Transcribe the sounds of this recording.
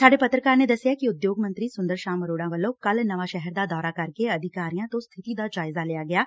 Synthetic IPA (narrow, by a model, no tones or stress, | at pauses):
saːɖeːpət̪ɾəkaːɾneːd̪əsːɪjaːkiʊd̪joːɡmə̃nt̪ɾiːsʊ̃nd̪əɾʃaːməɾoːɽãːʋəlːõːkəlnəʋaːʃɛɦɛɾd̪aːd̪ɔːɾaːkəɾkeəd̪ʱɪkaːɾijãːt̪õːst̪ʰɪt̪iːd̪aːd͡ʒaːɪzaːlejaːɡɪjaː